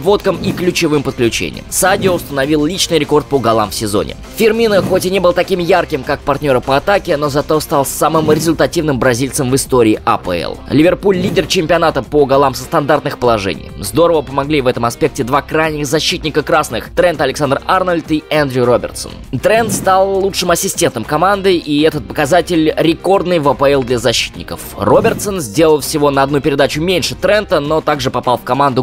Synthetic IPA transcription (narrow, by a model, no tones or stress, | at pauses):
vo̞t̪̚kəmiklʲʉt͡ɕɪvɨmpət̪̚klʲʉt͡ɕḛnʲɪ̰jə̰msadʲɪoʊst̪ənɐvʲilˠlʲit͡ɕnɨjɾʲɪko̞rt̪̚poɡɐlˠa̰mfsʲɪzo̞̰nʲɪ̰ | fʲɪrmʲinəxo̞tʲɪnʲe̞bəlˠət̪ɐkʲimjarkʲɪmkak̚pɐrtʲnʲo̞ɾəpəɐt̪akʲɪno̞zɐt̪o̞st̪alˠsamɨmɾʲɪzʊlʲt̪ɐtʲivnɨmbɾɐzʲilʲt̪səmvɨst̪oɾʲɪːʔɐ̰pə̰ɛ̰lˠlʲɪvʲɪrpulʲlʲidʲɪrt͡ɕɪmʲpʲɪɐnat̪əpoɡɐlˠamsə̥st̪ɐnd̪art̪nɨxpəlˠɐʐɛ̰nʲɪ̰jzd̪o̞ɾəvəpəmɐɡlʲivɛt̪əmɐspʲe̞k̚tʲɪd̪vakɾajnʲɪxzɐɕːit̪ʲnʲɪkəkɾasnɨxt̪ɾɛnt̪ɐlʲɪksand̪rarnəlʲt̪ɨand̪ɾʲɪɾobʲɪ̰rt̪sə̰nt̪ɾɛnt̪st̪alˠːut͡ʂʂɨmɐsʲɪsʲtʲe̞nt̪əmkɐmand̪ɨiɛt̪ət̪̚pəkɐzatʲɪlʲɾʲɪko̞rd̪nɨjvɐpəɛlˠd̪lʲɐzɐɕːi̥t̪ʲnʲɪkə̰frobʲɪrt̪sənzʲdʲe̞lˠəlˠfsʲɪvo̞nəɐd̪nupʲɪɾʲɪd̪at͡ɕʊmʲenʲʂɨt̪ɾɛnt̪əno̞t̪aɡʐɨpɐpalˠfkɐmand̪ʊ